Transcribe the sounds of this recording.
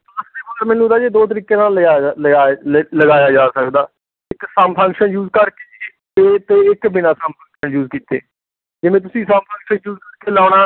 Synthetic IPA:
əseːbəːɾmɛ̃ːnũd̪aːd͡ʒeːd̪oːt̪̬əɾiːkẽːnaːlaːləɡaːləɡaːjaːd͡ʒaːsəkd̪aː | ɪksəmpʰə̃ŋkʃənjuːzkəɾkeː | eːt̪eːɪkbɪnaːsəmpʰə̃ŋkʃənjuːzkiːt̪ḛː | d͡ʒɪʋẽːt̪̬ʊsĩːsəmpʰə̃ŋkʃənjuːzkəɾkeːlaːɽaː

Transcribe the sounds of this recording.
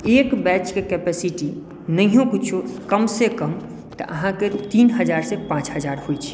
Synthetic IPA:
eːkbɛːt͡ʃkekɛːpɛːsɪʈi | nɐɦijõkʊt͡ʃʰokɐmsekəm | t̪ɐ̰ʔɐ̰ɦãket̪iːnɦəd͡ʒaːɾsepãːt͡ʃɦəd͡ʒaːɾɦoit͡ʃʰi̥

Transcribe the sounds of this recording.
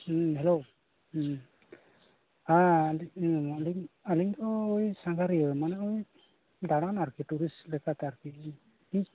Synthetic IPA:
ɦelo | alaliŋaliŋt̪ɔːjsaŋkaɾiəmanɛoj | daɽanaɾkituɾislɛkʰat̪aɾki | i

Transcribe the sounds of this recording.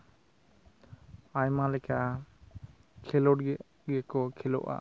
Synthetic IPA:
ajmalɛka | kʰɛlɔʈɡɛ | ɡɛkɔkʰɛlɔ̰ʔa̰

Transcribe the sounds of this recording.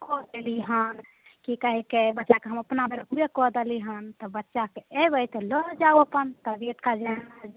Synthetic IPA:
kʰod̪eliɦən | kikəɦɛkebətːʃakeɦəməpnabeɾuekod̪əliɦənt̪ɔbətːʃakeebəjt̪elod͡ʒauəpənt̪əbiʈkad͡ʒana

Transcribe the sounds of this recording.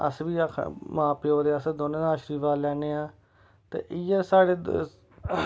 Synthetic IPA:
ə̰sʋiːəkʰmãːpeːoːɾeːəsd̪oːnẽːd̪aːʃɾiːʋaːlɛːneːãː | t̪ḛːʔɪjaːsaːɽeː

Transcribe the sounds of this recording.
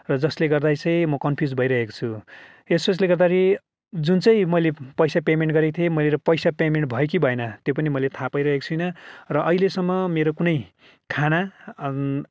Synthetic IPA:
rʌd͡zʌsleɡʌrd̪ajt͡sʌj̃mʌkʌnpʰjud͡zbʱʌjɾʌɦeko̥t͡sʰu | esʌs̬leɡʌrd̪aɾʰi | d͡zunt͡sʌj̃mʌjlepʌjsapemeɳʈɡʌɾekt̪ʰiemʌjleɾʌpʌjsapemeɳʈ̚bʱʌjek̬ibʱʌenʌt̪jopʌnimʌjlet̪ʰapʌjɾʌɦeko̥t͡sʰujnʌrʌʔʌilesʌmːʌmeɾokunʌj | kʰana

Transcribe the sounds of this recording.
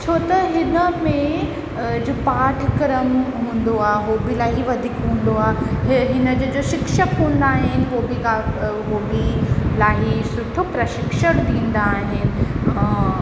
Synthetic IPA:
t͡ɕʰoːt̪ɐɦɪnəmẽ | d͡ʑopaːʈʰkɾəmɦũːnd̪oaːeɦoːbilaːɦiʋɐd̪ʱiːkɦũːn̆d̪oaːɦɦɪnəd͡ʑod͡ʑoʃɪkʃəkɦũːnd̪aːɦɪnɪ̆ʋobikaɦoːbilaːɦisʊʈʰopɾɐʃɪkʃəɽ̃d̪ĩːnd̪aːɦɪnɪ̆

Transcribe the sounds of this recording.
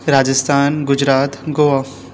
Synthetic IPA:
ɾaːd͡ʒəst̪ʰaːnɡʊd͡ʒɾaːt̪ɡoːʋaː

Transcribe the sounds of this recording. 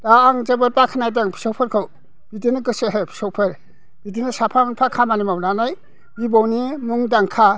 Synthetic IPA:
d̥aːŋd͡ʒebɯɾpakʰanajdaŋpʰi̥sɔwpʰɯɾkʰɯw | b̥idinɯɡɯsɯɦepʰi̥sɔwpʰɯɾ | b̥idinɯsapʰaŋŋpʰakʰamanimawnanaj | ɡibɔwnimuŋdaŋkʰa

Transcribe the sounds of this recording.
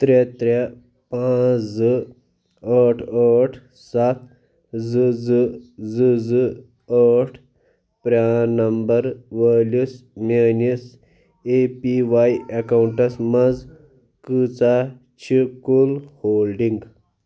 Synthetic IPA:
t̪ɾet̪ɾe | pãzɨ | əʈʰəʈʰ | sat̪ | zɨzɨzɨzɨ | əʈʰ | pɾanɐmbɐɾʋəlusmenis | epiʋajekawuɳʈɐsmɐd͡z | kɨt͡sa | t͡ɕʰikulhoːlɖiŋɡ

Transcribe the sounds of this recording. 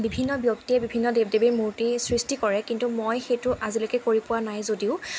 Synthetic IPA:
bibʱinːɔbjoktiɛbibʱinːɔdeb̚debemuɹtisɹistikɔɹɛkintumojxejtʊʔazilokɛkoɹipʊwanajzodiʊ

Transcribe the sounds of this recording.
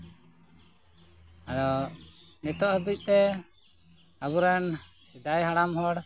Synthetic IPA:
ad̪ɔ | nɛt̪ɔʔhəbuc̚ˀt̪ɛ | aβuɾɛn | sid̪ajɦaɽamɦɔɽ

